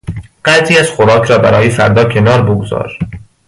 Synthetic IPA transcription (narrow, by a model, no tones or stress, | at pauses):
ɢ̥æziːæz̥xoɾɒːkʰɾɒːbæɾɒːjefæɾd̪ɒːcʰe̞nɒːɾboɡozɒ̰ːɾ